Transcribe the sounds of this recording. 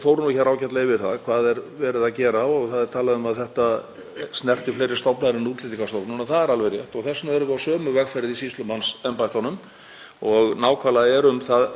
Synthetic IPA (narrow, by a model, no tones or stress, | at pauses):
fowɾʏnuçaɾaːwcɛt̪levɪɾθaðkʰvaːðɛɾvɛːɾɪðaðcɛːɾaɔɣθaðɛɾt̪ʰaːlaðʏmaðθɛht̪a | snɛr̥t̪ɪflejɾɪst̪ɔwpnaðɪɾɪnuːt̪lɪt̪ikast̪owpnʏmaθaðɛɾalvejɾjɛht̪ɔɣθɛsːnavɛɾðʏawsœːmʏvɛɣfɛɾɪðisist̪lʏmhansɛmpajht̪ɔnʏm | ɔɣnaːwkʰvalaðɛɾʏmθað